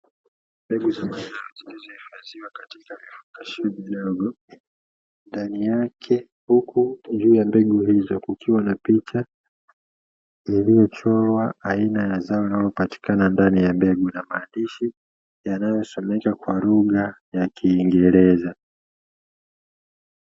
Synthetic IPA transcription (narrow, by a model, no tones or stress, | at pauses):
mbɛɡuzamanaɔzilizɔhifaziwakati̥kavifu̥kaʃimiɗɔɡɔ | ndanijakʰɛ | hukʰud͡ʒuːjambɛɡuhizɔkukiwanapit͡ʃa | ilijɔt͡ʃɔlwaainajazaɔinalɔpati̥kanandanijambɛɡunamaːndiʃi | janajɔsɔmɛkakwaluɠajakʰiːŋɡɛɾɛza